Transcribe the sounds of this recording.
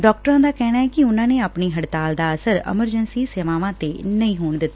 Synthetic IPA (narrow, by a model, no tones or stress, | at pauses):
ɖɔːk̚ʈəɾãːd̪aːkɛːɽaːɛːkɪʊnãːneːaːpɳiːɦəɽt̪aːld̪aːəsəɾɛ̰məɾd͡ʒənsiːseːʋaːʋãːt̪eːnəĩːɦoːɳd̪ɪt̪ːaː